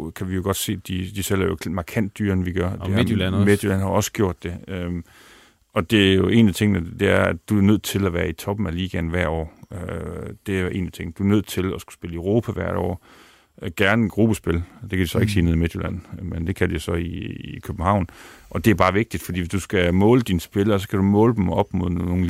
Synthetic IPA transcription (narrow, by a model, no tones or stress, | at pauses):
kʰæʋijo̝ɡ̥ɒ̽d̥se̝̰ːd̥id̥isel̰æɐjomɑ̈kʰæn̰d̥ːyːɐnəʋiɡ̥ɶɐd̥eme̥jolænhɑ̈ɒ̽sə̥ɡ̥jo̝ɐ̰d̥ːe̝ø | ɒ̽d̥e̝æjo̝ʔe̝ːnæt͡sʰe̝ŋnəd̥e̝æɐædd̥uæɐnøð̞̰ˠt͡sʰe̝læʋæːɐit͡sʰɒ̽b̥n̩æliːɡ̥ænʋæɐ̰ɒ̰ːød̥e̝æjʔe̝̰ːnæ̥t͡sʰe̝ŋ̰nəd̥uæɐnøð̰ˠt͡sʰe̝læsɡ̥u̥sb̥e̝ləəʊʁo̝ːpʰæʋæɐ̰ɾ̥ɒ̰ː | ɡ̥æɐnəɡ̥ʁub̥əsb̥e̝ld̥e̝kʰædusɒ̽e̝ɡ̥siːneð̰ˠimed̥jolæn̰mend̥e̝kʰæd̥ujo̝sɒ̽iikʰøb̥m̩ɦɑ̈ʊ̰nʔɒ̽d̥e̝æɐb̥ɑ̈ːʋe̝ɡ̥̚d̥id̥fɒdḭːʋesd̥usɡ̥æmɔ̽ːləd̥insb̥eləɒsɒ̽kʰæɾ̥umɔ̽ːləd̥em̩ɒɒ̽b̥moðˠon̩